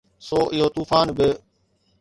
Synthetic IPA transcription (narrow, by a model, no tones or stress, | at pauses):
soːʔɪɦoːt̪uːfaːnbɪ